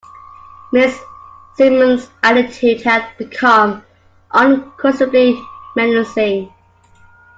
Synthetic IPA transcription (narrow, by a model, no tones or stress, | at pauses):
mɪsː | imə̃nzɛɾɪtʰʉdhədb̥ɪkʰʌ̃m | ʔə̃nkʰɔsəblimɛ̃nəsɪ̃ŋ